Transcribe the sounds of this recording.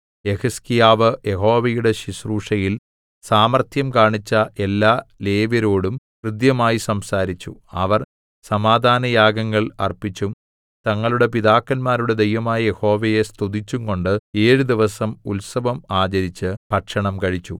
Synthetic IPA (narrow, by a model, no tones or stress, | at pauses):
je̞hɐskijaːʋɨje̞ɦo̞ːʋɐjuɽe̞ɕisruːʂɐjil | saːmɐrt̪ʰjɐmkaːɳit͡ɕːɐʔe̞lːaːle̞ːʋɐɾo̞ːɽumkrɨd̪jɐmaːjisɐmsaːɾit͡ɕːuɐ̰ʋɐr | sɐmaːd̪ʱaːnɐjaːɡɐŋːɐɭɐ̰rpit͡ɕːum | t̪ɐŋːɐɭuɽe̞piðaːkːɐnmaːɾuɽe̞d̪ejʋɐmaːjɐjeho̞ːʋɐje̞st̪ud̪it͡ɕːuŋko̞ɳɖɨe̞ːɻud̪iʋɐsɐmulsɐʋɐmaːt͡ɕɐɾit͡ɕːɨpɐʈʂɐɳɐmkɐɻit͡ɕːu